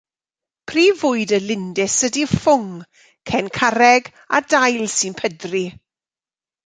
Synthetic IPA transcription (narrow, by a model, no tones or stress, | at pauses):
pʰriːvʊːɨdəlɪndɪsədifʊŋ | kʰɛnkʰaɾɛɡ | a̰dajlˠsɨnpʰədri